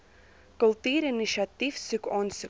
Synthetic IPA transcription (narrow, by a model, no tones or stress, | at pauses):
kɵlˠtyːɾiniʃatifsykɔːnsy